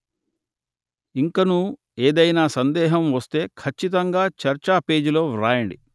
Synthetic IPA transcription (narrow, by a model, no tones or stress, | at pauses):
iŋkɐnu | eːd̪ɐjnaːsɐnd̪ɛːɦɐmʋɐst̪e̞ːkʰɐt͡ʃːit̪̬ɐŋɡaːt͡ʃɐɾt͡ʃaːpe̞ːd͡ʒilo̞ːɾaːjɐɳɖi